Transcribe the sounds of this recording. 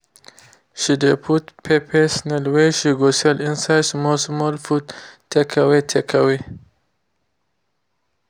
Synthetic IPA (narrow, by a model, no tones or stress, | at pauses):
ʃid̪epʰut̪pʰepʰesnalweʃiɡoselinsajdsmosmolfud̪t̪ʰːekʰɐwet̪ʰekʰawe